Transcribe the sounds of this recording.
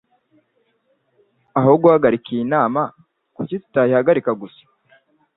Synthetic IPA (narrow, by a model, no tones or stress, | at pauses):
aɦoɡuaɡaɾikijinaːma | kucitu̥tahihaɡaɾikaɡusḁ